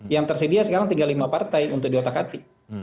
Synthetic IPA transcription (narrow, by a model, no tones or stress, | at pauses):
jaŋt̪ərsədiasəkaɾaŋt̪iŋɡalimapart̪ajunt̪ʊk̚diot̪akat̪i